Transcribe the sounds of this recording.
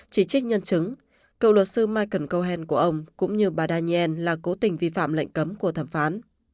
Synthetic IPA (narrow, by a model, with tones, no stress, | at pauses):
t͡ɕi˧˩t͡ɕï˦˥k̚ɲə˧nt͡ɕɨ˨˦ŋ | kə̰˧˨wlwə˨˩t̚sɨ˧maː˧jkə˧˩nkə˧wɦɛ˧nku˧˩əʔə˧wŋ͡mkʊ̰˧˥ŋ͡mɲɨ˧ɓaː˨˩ɗaː˧ɲi˧ʔɛ˧nlaː˨˩ko˨˦t̪ï˨˩ŋ̟vi˧fa̰ː˧˨mlə̰˧˨jŋ̟kə˨˦mku˧˩ət̪ʰa˧˩mfaː˨˦n